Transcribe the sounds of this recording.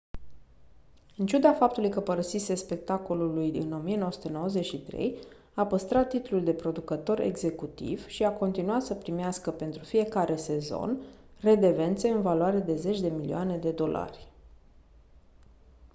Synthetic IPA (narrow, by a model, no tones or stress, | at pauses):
ɨnt͡ʃud̪afap̚t̪ulujkəpəɾəsisespe̞k̚t̪ako̞lulujɨ̰no̞mijenoəsu̥t̪eno̞wəze̞t͡ʃʃit̪ɾe̞̰j | apəst̪ɾat̪ːit̪ululd̪e̞pɾo̞d̪ukət̪o̞ɾʔḛɡze̞kut̪ḭvʃiako̞nt̪inuat̪səpɾimeaskəpe̞nt̪ɾufije̞kaɾe̞se̞zo̞̰n | re̞d̪e̞ve̞nt̪se̞ɨnvalwaɾe̞d̪e̞ze̞t͡ʃʲd̪e̞milḭoane̞d̪e̞d̪o̞lʔa̰rʲ